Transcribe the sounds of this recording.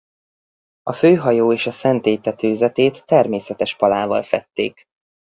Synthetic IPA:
ɒføːɦɒjoːeːʃɒsɛnt̪eːt̪ɛt̪øːzɛt̪eːt̪ːɛrmeːsɛt̪ɛʃpɒlaːvɒ̰lfɛt̪ːḛːk

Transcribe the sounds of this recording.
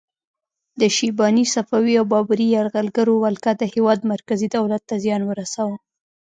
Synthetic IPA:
d̪əʃibɑnisafawiawbɑbɾijaɾɣalɡaɾowalkad̪əhewɑd̪maɾkazid̪awlat̪ːazjɑnwəɾasawə

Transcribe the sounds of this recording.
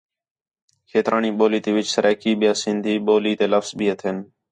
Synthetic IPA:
kʰeːt̪ɾaːniːɓoːliːt̪eːʋɪt͡ʃsəɾɛːkiːɓɪjaːsɪ̃nd̪ʱiːɓoːliːt̪eːləfzbiːət̪ʰɪn

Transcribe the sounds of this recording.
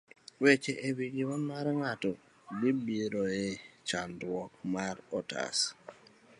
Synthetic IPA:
wɛt͡ʃɛʔebiɡimɔnmaɾŋatɔ | bibiɾoet͡ʃandwɔkmaɾɔta̰s

